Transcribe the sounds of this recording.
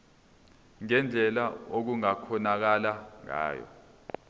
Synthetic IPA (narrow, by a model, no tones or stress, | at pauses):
ŋɛnd͡ɮʱɛlaok̬uŋakʰɔnak̬alaŋa̰ːjɔ̰